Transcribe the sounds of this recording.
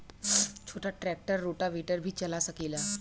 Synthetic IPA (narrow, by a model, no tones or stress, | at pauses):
t͡ɕʰoʈʰaʈɾɛk̚ʈəɾːoʈaʋiʈəɾbʱiːt͡ɕəlasəkila